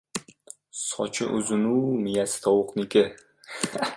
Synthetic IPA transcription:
sɒ̰t͡ʃʰɪʔʊzɪnumɪjast̪ʰɒwʊqnɪkʲɪ

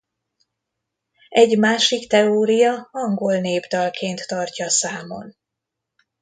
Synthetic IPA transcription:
ɛɟmaːʃikt̪ɛoːɾijɒɒŋɡo̞lneːbd̪ɒlkʰeːnt̪ːɒrcɒsaːmo̞̰n

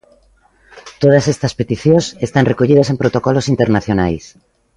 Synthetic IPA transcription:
t̪oð̞asest̪aspet̪iθjõsest̪anrekoʎið̞ɐsempɾot̪okɔlosint̪eɾnaθjonajs

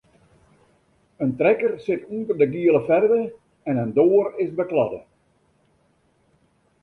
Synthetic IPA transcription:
əntrɛkərsɪtuntərdəɡiəlˠəfɛrʋə | ɛnəndoːərɪsbəklɑ̰də̰

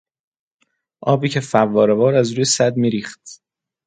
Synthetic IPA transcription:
ʔɒːbiːcʰefævːɒːɾevɒːɾæzɾuːjesæd̪miːɾiːχt̪

